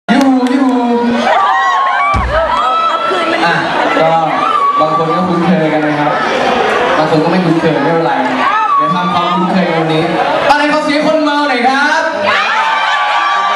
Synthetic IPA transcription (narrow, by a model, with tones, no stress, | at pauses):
juː˨˩juː˧˩ | ʔa˧˩ | kɔː˧˥˩ | baː˧ŋkʰo˧nkɔː˥˩kʰu˨˧˦nkʰɤː˧ka˧nmaː˧˩jkʰa˦˥p̚ | baː˧ŋkʰo˧nkɔː˥˩ma˥˩juː˨˩k̪ʰɤː˧ma˥˩ʔa˧˨ɾa˧j | naː˧˩t̪ʰaː˧mkʰaː˧˦a˧˩˧k̪ʰɤː˧wa˧niː˦˥ | ʔa˧ɾa˧jbʰɔː˧˥si˦˥kʰo˧˥nma˧wna˨˩˦jkʰɾa˦˥p̚